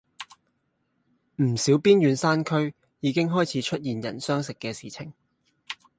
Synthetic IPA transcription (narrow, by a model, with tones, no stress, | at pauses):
m̩˨˩siː˨˥wpiː˥njyː˨˧nsaː˥nkʰɵ˥ɥ | jiː˨˧kɪ˥ŋɦɔː˥jt͡sʰiː˨˧˥t͡ʃʰɵ˥t̚jiː˨njɐ̰˨˩nsœː˥ŋsɪ˨kːɛː˧siː˨˩t͡sʰɪ˨˩ŋ